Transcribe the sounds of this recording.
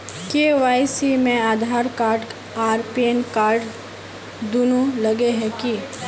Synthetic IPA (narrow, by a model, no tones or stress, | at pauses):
keːʋaːisimẽaːd̪ʱaːɾkaːɾɖ | aːɾpienkaːɾɖ | d̪unulɐɡeɦɛki